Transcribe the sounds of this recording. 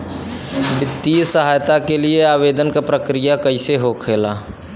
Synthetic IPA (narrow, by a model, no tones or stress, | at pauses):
bɪt̪ːiːsəɦaːjt̪akelieaːʋeːd̪ənkapɾəkɾijakɐiseɦokʰeːlaː